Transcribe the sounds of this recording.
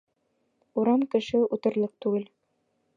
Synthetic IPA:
uɾɑmkɘ̆ʃɘut̪ɤ̆ɾlˠɤq̚t̪ʉɡɘl

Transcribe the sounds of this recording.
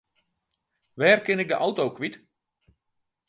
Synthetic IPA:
ʋɛːrkɪnɪk̚dəʔawtowkʋit

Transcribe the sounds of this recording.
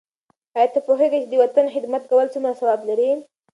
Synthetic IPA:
hɑjat̪ːapoɦeɡajt͡ʃed̪əwat̪anxɪd̪mat̪̚kawəlt͡sumɾasawablaɾi

